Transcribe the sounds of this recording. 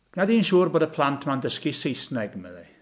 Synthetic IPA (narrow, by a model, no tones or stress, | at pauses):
ɡ̥nadiːnʃuːrboːdəpʰl̥ˠantʰmandəskisejsnɛɡəməði